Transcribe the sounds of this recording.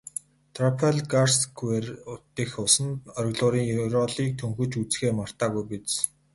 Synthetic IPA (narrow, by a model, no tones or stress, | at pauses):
t̪ʰrɔpʰeɮɡarsɡwerʊt̪ːixʊsə̆nɔɾ̆ɣɮʊːɾiːŋjɾɔɮiːk̚t̪ʰɵŋxɵ̆t͡ɕut͡sxeːmar̥t̪aːɣujpit͡s